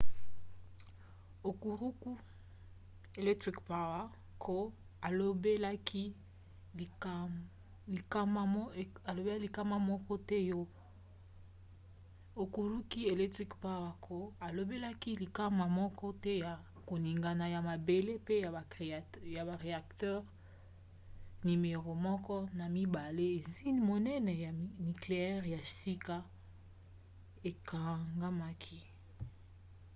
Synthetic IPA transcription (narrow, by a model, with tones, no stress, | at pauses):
o˨ku˨ʁu˦ku˦ | e˨lɛ˦tʁi˦kpa˦wa˦ | kʰo˦ | a˨lo˦be˦la˦ki˦˨ | li˨ka˦ma˦a˨lo˨be˦a˦li˨ka˦ma˦mɔ˦kɔ˦tɛ˦jo˦ | o˨ku˨ɾu˦ki˦e˨lɛ˦tʁi˦kpa˦wa˨kʰo˦a˨lo˨be˦la˦ki˦li˨ka˦ma˨mɔ˦kʰɔ˦tɛ˦ja˨ | ko˨ni˨ŋɡa˨na˨ja˨ma˨be˨le˦pe˦ja˨a˨ja˨ba˨ʁe˨a˨ktɛ˦ʁ | ni˨me˨ʁo˨mɔ˦kɔ˦na˨mi˦ba˨le˦e˨zi˦mo˨nɛ˦nɛ˨ja˨˦ni˨kle˨ɛ˦ʁja˨si˦ka˦ | e˨ka˨ŋɡa˦ma˦kʰi˦